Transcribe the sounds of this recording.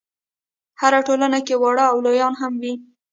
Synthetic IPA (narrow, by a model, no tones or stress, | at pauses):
haɾaʈolanakewɑɽaːwlojɑnɦamwi